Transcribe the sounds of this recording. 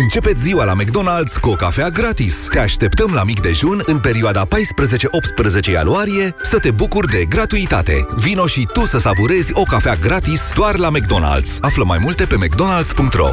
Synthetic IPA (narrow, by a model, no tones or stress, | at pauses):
ɨnt͡ʃe̞pe̞t̪sʲziwalame̞k̚d̪o̞nald̪z̥kuo̞kafeaɡɾat̪ist̪e̞aʃt̪e̞pt̪əmlamikd̪e̞ʒunɨnpe̞ɾioad̪apajspɾəze̞t͡ʃe̞ʔo̞p̚t̪spɾəze̞t͡ʃe̞ja̰nuaɾije̞sət̪e̞bukurd̪e̞ɡɾat̪uit̪at̪e̞̰vino̞ʃit̪usəsavuɾe̞zʲo̞kafeaɡɾat̪isd̪oarlame̞k̚d̪o̞na̰ld̪z̥afləma̰jmult̪e̞pe̞mek̚d̪o̞nald̪z̥puŋk̚t̪ɾro̞̰